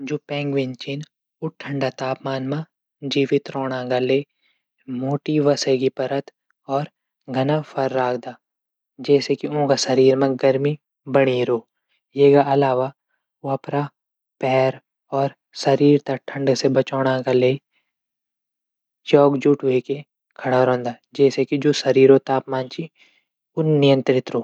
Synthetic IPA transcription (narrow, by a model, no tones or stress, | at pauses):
d͡ʒuːpɛ̃ːŋɡʋɪ̃nt͡ʃin | ʊʈʰːə̃ɳɖat̪aːpmaːnmã | d͡ʒiːʋɪt̪ɾoːɽ̃ãɡaleː | moːʈiʋɐseːɡipɐɾət̪ | ɔːɾ | ɡʱɐnapʰɐɾːaːkʰd̪aː | d͡ʒɛːsekiõːɡasɐɾiːɾmẽɡɐɾmi | bɐɽiɾoː | jeːkaɐlaːʋa | oɐpɾa | pɛːɾ | ɔːɾ | sɐɾiːɾt̪aʈʰɐ̃ɳɖsebɐt͡ʃɔːɽ̃akaleː | t͡ʃɔːkd͡ʒuːʈʋeke | kʰɐɽaɾõːnd̪a | d͡ʒɛːsekid͡ʒoːsɐɾiːɾot̪aːpmaːnt͡ʃi | ʊnːɪjə̃nt̪ɾɪt̪ɾoː